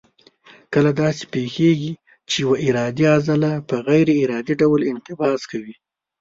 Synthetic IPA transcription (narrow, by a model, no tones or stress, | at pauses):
kəlad̪ɑse̥pexeɡi | t͡ʃejawaʔɪɾɑd̪iazalapəɣajɾeiɾɑd̪iɖawlɪnt̪ɪbɑz̥kawi